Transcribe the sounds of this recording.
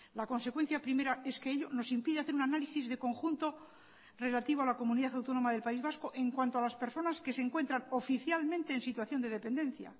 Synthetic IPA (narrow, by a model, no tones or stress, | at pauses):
lako̞nse̞kwe̞n̟θjapɾime̞ɾae̞skeeʎo̞no̞simpiðeaθeɾunanalisizðe̞ko̞ŋxunt̪o̞ | re̞lat̪iβoalako̞mũniðaθawt̪o̞no̞maðelpaizβasko̞ʔe̞ŋkwant̪oalaspe̞ɾso̞naske̞seŋkwe̞nt̪ɾano̞fiθjalmẽnt̪e̞ːnsit̪waθjo̞nd̪e̞ðe̞pend̪ẽ̞n̟θja̰